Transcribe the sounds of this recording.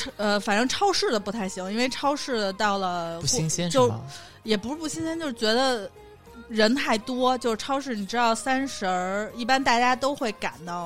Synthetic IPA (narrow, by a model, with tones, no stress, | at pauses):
ʈ͡ʂʰə˧fa˨˩nʈ͡ʂɤ˥˧ŋʈ͡ʂʰɑ˥ʊʂɻ̩˥˩d̪ə˩pu˧˥t̪ʰa˥˩ɪɕi˧˥ŋi˥nwe˥˩ɪʈ͡ʂʰɑ˥ʊʂɻ̩˥˩d̪ə˩t̪ɑ˥˩ʊlə˩u˥˩˥i˥ŋɕɛ˥nt͡ɕjo˥˧ʊʂ | jɛ˨˩pu˧˥ʂɻ̩˥pu˥˩ɕi˥ŋɕɛ˥nt͡ɕjo˥˧ʂɻ̩˥˩t͡ɕɥɛ˧˥d̪ə˧ | ɻə˧˥nxa˥˩ɪt̪wɔ˥t͡ɕjo˥˧ʊʂɻ̩˥˧ʈ͡ʂʰɑ˥ʊʂɻ̩˥˩ni˨˩ʈ͡ʂɻ̩˥d̪ɑ˥˩ʊsa˥nʂə˧˥i˥˩pa˥nt̪a˥˩t͡ɕja˥t̪o˥ʊxwe˥˩ɪka̰˨˩nt̪ɑ˥˩ʊ